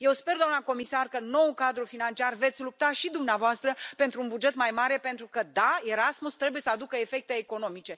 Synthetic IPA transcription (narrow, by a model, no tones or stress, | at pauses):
je̞wspe̞rd̪oamnako̞misarkəno̞wukad̪ɾufinant͡ʃiarve̞t̪sʲlup̚t̪aʃid̪umneavoast̪ɾəpe̞nt̪ɾuːnbud͡ʒe̞t̪majmaɾe̞pent̪ɾukəd̪ae̞ɾasmust̪ɾe̞buje̞səad̪ukəefe̞k̚t̪e̞ːko̞no̞mit͡ʃe̞